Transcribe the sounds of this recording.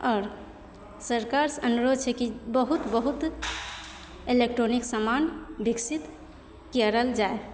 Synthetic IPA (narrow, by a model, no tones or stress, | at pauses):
ɔːɾ | səɾkaɾsənuɾod̪̚t͡ʃʰɛkibəɦut̪bəɦut̪ | elek̚ʈɾoniksəmanbiksit̪ | kiəɾəld͡ʒae